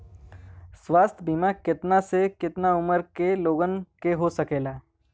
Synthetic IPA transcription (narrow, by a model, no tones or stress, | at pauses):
swaːst̪ʰbiːmakɪt̪nasekɪt̪naʊməɾkeloːɡənkeɦosɐkeːlaː